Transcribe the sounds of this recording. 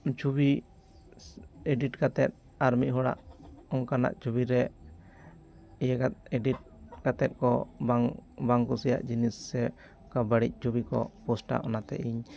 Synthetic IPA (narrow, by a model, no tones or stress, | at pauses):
t͡ʃubi | eɖiʈkat̪ɛt̪̚ | aɾmiʔ̚ɦɔɽa̰ʔɔŋkana̰ʔt͡ʃubiɾɛ | ijɛkat̪̚eɖiʈ̚kat̪ɛt̪̚kɔbaŋbaŋkusija̰ʔd͡ʒinisːɛ | kabəɽic̚ˀt͡ʃubikɔ̰pɔsʈa̰ʔɔnat̪ɛ̰ʔiɲ